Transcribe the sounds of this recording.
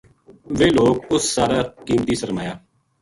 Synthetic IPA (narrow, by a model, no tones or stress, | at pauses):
ʋeːloːkʊsːaːɾaːkiːmt̪iːsəɾmaːjaː